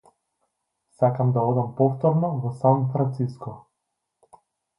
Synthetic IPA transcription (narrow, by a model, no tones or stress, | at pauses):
sakamd̪aɔd̪ampɔft̪ɔɾnɔvɔsanfɾant̪siskɔ